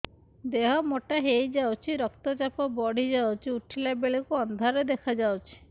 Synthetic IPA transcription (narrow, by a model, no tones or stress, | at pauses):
d̪eɦɔmoʈaɦejd͡ʒawt͡ʃʰiɾɔkt̪ɔt͡ʃapɔbɔɽ̤id͡ʒawt͡ʃʰiuʈʰilabeɭekuɔnd̪ʱaɾed̪ekʰad͡ʒawt͡ʃʰi̥